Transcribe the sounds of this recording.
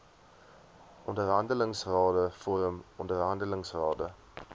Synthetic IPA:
ʔɔndərɦɐndələŋsrɑːdəfoɾəmɔndərɦɐndələŋsrɑːdə

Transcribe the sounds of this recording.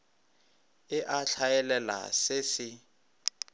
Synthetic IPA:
ɪʔaɬʰajɛlɛla̰sɪsɪ

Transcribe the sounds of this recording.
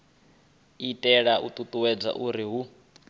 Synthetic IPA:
itʼɛɺaut̪ʼut̪ʼuwɛd͡za̰ʔuɾiɦu

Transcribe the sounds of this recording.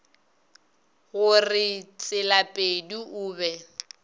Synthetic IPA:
ɣʊrɪt͡sʼɪlapʼeduʔʊːbɛ

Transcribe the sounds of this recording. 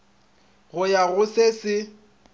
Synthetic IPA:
ɣʊjaɣʊsesɪ

